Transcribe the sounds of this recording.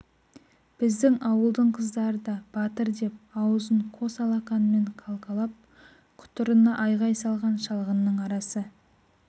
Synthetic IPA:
b̥ɪzd̪ɪŋʔɑwəlˠd̪əɴqʰəzd̪ɑɾəd̪ɑb̥ɑt̪əɾd̪e̞p̚ɑwəzəɴqʰo̞sɑlˠɑqɑnme̞ɴqʰɑlˠqɑlˠɑp̚ | kʰʊ̥t̪ʊɾənːɑʔɑjʁɑjsɑlˠʁɑnʃɑlˠʁənːəɴɑɾɑsə

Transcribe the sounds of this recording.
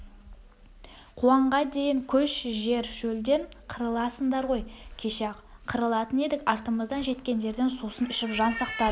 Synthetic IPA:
qʰuɑɴʁɑd̪e̞jɪŋkʲʰɵʃʒe̞ɾʃɵld̪e̞ɴqʰəɾəlˠɑsənd̪ɑɾʁo̞jkʲʰe̞ʃe | qʰəɾəlˠɑt̪əne̞d̪ɪkɑɾt̪əməzd̪ɑnʒe̞t̪kʲe̞nd̪e̞ɾd̪e̞nsusənɪʃɪpʒɑnsɑqt̪ɑ

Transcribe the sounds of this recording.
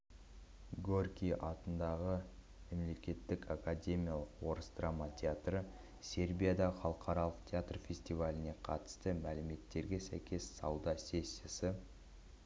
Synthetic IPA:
ɡorkʲiʔɑt̪ənd̪ɑʁə | me̞mle̞kʲe̞t̪ːɪkakad̪ʲe̞mʲijalˠəqwo̞ɾəsd̪ramɑt̪ʲʰeat̪rə | sʲe̞rbʲijad̪ɑχɑlˠəqʰɑɾɑlˠəqt̪ʲʰeat̪rfʲe̞sʲt̪ivalʲɪne̞qʰɑ̰t̪ə̥st̪əmælɪme̞t̪ːe̞ɾɡʲe̞sæ̰jkʲʰe̞ssɑwd̪ɑse̞sːesɪ

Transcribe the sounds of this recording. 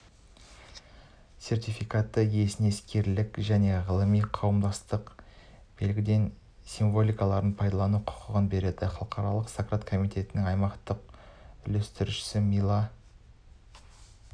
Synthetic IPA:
se̞rt̪ʲijfijkat̪ːəje̞sɪne̞skʲe̞ɾlɪkʒæne̞ʁəlˠəmijqʰɑwəmd̪ɑst̪əq | b̥e̞lɡʲɪd̪e̞n | siɱvo̞lʲijkɑlˠɑɾənpʰɑjd̪ɑlˠɑnuqʰʊ̥qʰəʁənbe̞ɾe̞d̪ɪχɑlˠəqʰɑɾɑlˠəqsakɾat̪kʰo̞mijt̪ʲe̞t̪ɪnɪŋɑjmɑqt̪əq̚ʏlest̪ɪɾʃɪ̥sɪmijlˠɑ

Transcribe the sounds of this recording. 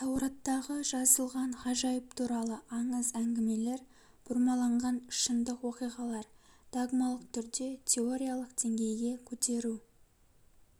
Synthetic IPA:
t̪ʰɑwɾɑt̪ːɑʁəʒɑzəlˠʁɑnχɑʒɑjəp̚t̪ʰuɾɑlˠəʔɑɴəzæŋɡʲɪme̞le̞ɾ | b̥ʊɾmɑlˠɑɴʁɑnʃənd̪əqwo̞qijʁɑlˠɑɾd̪̥oɡmɑlˠəqt̪ʰʏɾd̪e̞t̪ʲʰe̞o̞ɾʲijalˠəqd̪̥e̞ŋɡʲe̞jɡʲe̞kʲʰɵt̪e̞ɾu

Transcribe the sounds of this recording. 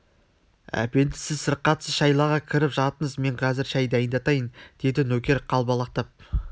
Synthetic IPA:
æ̰pe̞nd̪ɪsɪzsəɾqːɑt̪səʃɑjlˠɑʁɑkʲʰɪɾɪpʒɑt̪əɴəzme̞ɴqʰɑzɪɾʃæjd̪æjənd̪ɑt̪ɑjənd̪̥e̞d̪ɪnɵkʲe̞ɾqʰɑlˠbɑlˠɑq̚t̪ɑp̚

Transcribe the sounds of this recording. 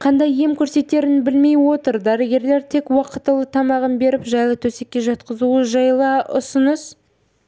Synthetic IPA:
qʰɑnd̪ɑjːe̞mkʲʰɵɾse̞t̪ːe̞ɾɪnbɪlme̞jwo̞t̪əɾd̪æɾɪɡʲe̞ɾle̞ɾt̪ʰe̞kwɑqət̪ːəlˠət̪ʰɑmɑʁənbe̞ɾɪpʒɑjlˠət̪ʰɵse̞kʲːe̞ʒɑt̪qəzuəʒɑjlˠəʊ̰sʊnəs

